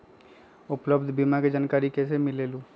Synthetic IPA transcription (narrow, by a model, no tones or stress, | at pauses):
ʊpləbd̪ʱbimaked͡ʒaːnkaːɾikɛːsemɪleːluː